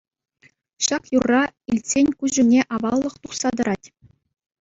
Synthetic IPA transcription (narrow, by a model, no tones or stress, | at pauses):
ɕɑkjurːɑilʲsʲenʲkuʑɘ̆nʲeʔɑʋɑlˠːɤ̆χt̪uχsɑd̪ɤ̆ɾʔɑtʲ